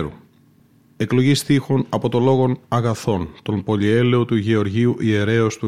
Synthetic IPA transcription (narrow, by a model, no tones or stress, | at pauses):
ɾu | e̞klo̞ʝist̪ixonɐpo̞t̪o̞lo̞ɣo̞nɐɣɐθo̞nt̪o̞mpo̞lie̞le̞ot̪uʝeo̞ɾʝiuʔie̞ɾe̞ost̪u